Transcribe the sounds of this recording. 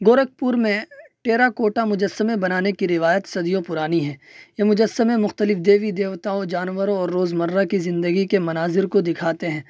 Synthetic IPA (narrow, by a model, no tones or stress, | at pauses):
ɡoːɾək̚puːɾmẽʈeːɾakoːʈamʊd͡ʒəsːəmẽbɐnaːnekiɾɪʋaːjət̪sɐd̪ijõpʊɾaːniɦɛ̃ːjemʊd͡ʒəsːəmẽmʊxt̪əlɪfd̪eːʋid̪eːʋt̪aːõd͡ʒaːnʋəɾõɔːɾːoːzmɐɾːakizɪ̃nd̪əɡikemɐnaːzɪɾkod̪ɪkʰaːt̪eɦɛ̃ː